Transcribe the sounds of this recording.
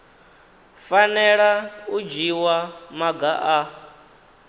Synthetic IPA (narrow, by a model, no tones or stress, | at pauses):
fanɛɺaud͡ʒiwamaɡaʔa